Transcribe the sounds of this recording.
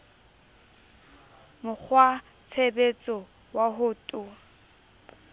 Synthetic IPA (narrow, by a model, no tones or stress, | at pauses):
mʊk͡xʰwa | t͡sʰebet͡sʼɔ | waɦʊtʼʊ